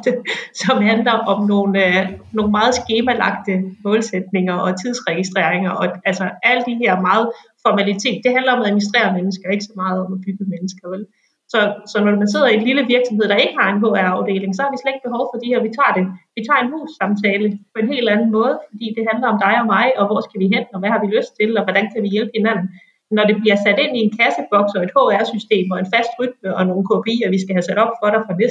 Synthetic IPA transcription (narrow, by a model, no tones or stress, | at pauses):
sɒ̽mhænlɐʔɒ̽mno̝ːnøno̝ːn̩mɑ̈ːð̞̩ˠsɡ̥e̝ːmælɑ̈ɡ̥̚d̥əmɔ̽ːlsed̥̚ne̝ŋɐʔɒ̽t͡sʰið̞ˠsʁɛɡ̥isd̥ʁḛɐ̰eŋɐʔɒ̽ælsɐæl̰əd̥iɦeɐ̰mɑ̈ːð̞̩ˠfɒmælit͡sʰe̝̰ːd̥̚ːe̝ɦændlɐɒ̽mæminisd̥ʁḛːɐmenəsɡ̥ɐe̝ɡ̥əsɒ̽mɑ̈ːð̞̩ˠɒ̽mæb̥yɡ̥əmenəsɡ̥ɐel | sɒ̽sɒ̽nɒmænse̝ð̰ˠɐienliləʋiɐɡ̥sɒ̽með̞̰ˠd̥ɑ̈e̝ɡ̥əhɑ̈e̝nɦo̰ːæɐɑ̈ʊd̥e̝̰ːle̝ŋsɒhɑ̈ʋisled̥̚b̥e̝ɦɒʊfɒ̽d̥ihæɐʋit͡sʰɑ̰̈ːɾe̝ʋit͡sʰɑ̰̈ːe̝nɦṵːsːɑ̈mt͡sʰɛːləpʰɒ̽e̝nɦe̝̰ːld̥ænn̩mɔ̽ːð̞ˠfɒ̽d̥ḭːd̥e̝ɦænlɐɒ̽md̥ɑ̈ɪɒ̽mɑ̈ɪɒ̽ʋɒsɡ̥æʋiɦen̰ɒ̽ʋæhɑ̈ʋiløsd̥̚t͡sʰe̝lɒ̽ʋɒd̥ænkʰæʋijelb̥ə̥he̝næn̰n̩ | nɒɾ̥e̝b̥liɐsæd̥e̝n̰ie̝nkʰæsəb̥ɒ̽ɡ̥sɒ̽e̝d̥hɔ̰ːæɐsysd̥e̝̰ːmɒ̽e̝nfæsd̥ʁyd̥məʔɒ̽no̝ːn̩kʰopʰe̝̰ːɐʋisɡ̥æɦæsæɾ̥ɒ̽b̥fɒ̽ɾ̥ɑfɑnesd